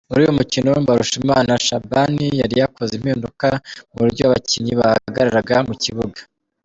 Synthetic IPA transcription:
muɾiːjomucinobaɾuʃimaːnaʃabanijaɾijakʰo̞zimhiːndukamuβuɾɟoaβaciɲiβahaaɡaɾaɾaɡamuciβuɡḁ

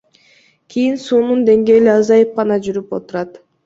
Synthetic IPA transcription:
kʰijinsuːnund̪e̞ŋɡe̞ːliɑzɑjɯp̚qɑnɑd͡ʒyɾypo̞̰t̪uɾɑt̪

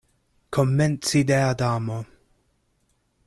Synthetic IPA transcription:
kʰomːɛntsid̪ead̪aːmo

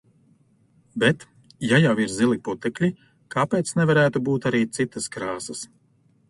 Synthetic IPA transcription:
bɛt̪ | jajawiɾzilˠiput̪ɛklʲi | kapeːt̪snɛvaɾæːt̪ubuːt̪aɾiːt̪sit̪ɐskɾaːsɐs

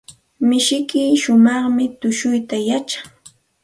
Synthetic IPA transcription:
mɪʃɪkɪːʃʊmɑχmɪt̪ʊʃʊjt̪ajat͡ʃḁ

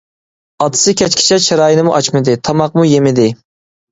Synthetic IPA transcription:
ɑt̪ʰɨ̥sɨkʲʰɛt͡ʃkʲʰi̥t͡ʃʰɛt͡ʃʰeɾɑːjinɨmuʔɑt͡ʃmɨd̪ɪt̪ʰɑmɑq̚mujemɪd̪ɪ

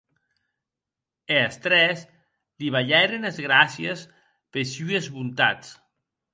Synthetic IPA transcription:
east̪ɾɛs | liβaʎɛɾenezɣɾasjes | pesyezβunt̪a̰t͡s

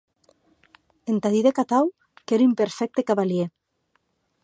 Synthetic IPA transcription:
ent̪aðiðekat̪aw | keɾympeɾfɛk̚t̪ekaβalje

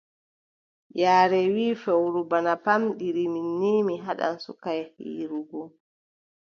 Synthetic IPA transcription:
jaːɾɛwiːfɛwɾubanapamɗiɾiminːiːmiɦaɗa̰nsṵkajhḭːɾuɡɔ

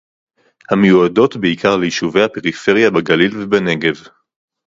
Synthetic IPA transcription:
hamejuado̞tbeikʰaʁlejiʃuvejhape̞ʁife̞ʁjabeɡalilvebane̞ɡe̞v

